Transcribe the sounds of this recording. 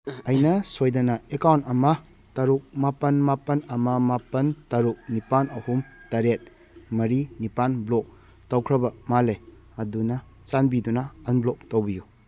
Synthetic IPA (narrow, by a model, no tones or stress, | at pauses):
ɐjnɐsojdɐnɐekawntɐmɐ | tɐɾuk̚mapɐnmapɐnɐmɐmapɐntɐɾuk̚nipanɐhumtɐɾet̚ | mɐɾinipanblok̚ | tɐwkʰɾɐbɐmale | ɐdunɐ | t͡ʃanbidunɐɐnblok̚towbiju